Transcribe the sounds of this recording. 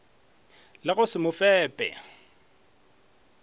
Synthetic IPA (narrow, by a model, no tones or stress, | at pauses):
lɪɣʊsɪmʊfɛːpʼɛ̰